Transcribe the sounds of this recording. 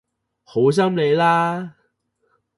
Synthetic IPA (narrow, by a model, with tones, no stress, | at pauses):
ho˨˥ws̬ɐ˥mle˨˧jlaː˥